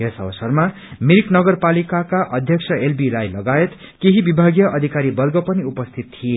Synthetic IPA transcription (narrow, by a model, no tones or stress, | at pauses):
esʌ̰wʌsʌrma | miɾknʌɡʌrpalikakaʔʌd̪ʱjʌksʰʌelbilajlʌɡajet̪ | keɦibibʱaɡjʌʔʌd̪ʱikaɾibʌrɡʌpʌniupʌst̪ʰit̪̚t̪ʰije